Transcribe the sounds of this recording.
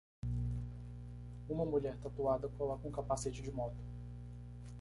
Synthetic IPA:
ũmɐmuʎɛɾt̪at̪uad̪ɐkolɔkɐũkapaset͡ʃɪd͡ʒɪmɔt̪ʊ̥

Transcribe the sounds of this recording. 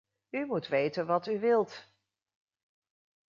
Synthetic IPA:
ymutʋejtənʋɑtyʋɪlˠt

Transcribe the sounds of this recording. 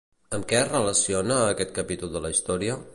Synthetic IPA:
əmkɛzrələsionəːkɛt̪̚kəpit̪ulˠd̪ələist̪ɔɾiə

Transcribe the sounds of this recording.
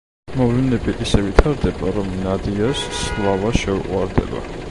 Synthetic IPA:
mɔvlɛnɛbiʔisɛvit̪ʰaɾd̪ɛbaɾɔmnad̪iasslˠavaʃɛuqʼwaɾd̪ɛ̰ba̰

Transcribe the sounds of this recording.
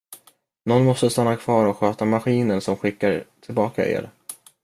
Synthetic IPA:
nɔnmɔst̪əst̪anːakʰv̥ɑːɾɔkɧøːt̪amaɧiːnənsɔmɧɪkːaɾt̪ʰɪlbɑːka̰ʔḛːɾ

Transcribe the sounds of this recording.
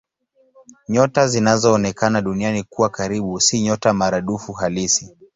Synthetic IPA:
ɲɔtazinazɔːnɛkanaɗunianikuwakaɾiɓusiɲɔtamaɾaɗufuɦalisi

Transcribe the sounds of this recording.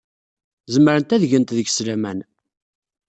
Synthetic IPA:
zəmɾənt̪æðʝənt̪ðəɡslæmæn

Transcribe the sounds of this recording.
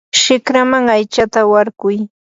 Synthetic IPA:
ʃɪkɾamaŋajt͡ʃat̪awaɾɢʊj

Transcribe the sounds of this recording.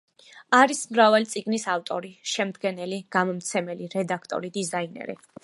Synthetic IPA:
aɾismɾavalit̪sʼiɡnisaft̪ʼɔɾiʃɛmd̪ɡɛnɛliɡ̥amɔmt̪sʰɛmɛliɾɛd̪akʰt̪ʼɔ̰ɾid̪izainɛ̰ɾḭ

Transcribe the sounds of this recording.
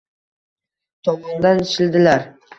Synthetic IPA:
t̪ʰɒmɒnd̪anɪʃɪld̪ɪlaɾ

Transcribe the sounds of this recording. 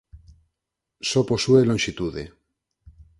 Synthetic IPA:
soposuelõŋʲʃit̪uðe

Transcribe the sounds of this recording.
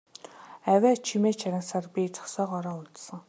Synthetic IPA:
æwʲæːt͡ɕʰimeːt͡ɕʰaɾʲə̆nsaːrpʲit͡sɔ̥sɔːqɔɾɔːʊɮt̪sə̆ŋ

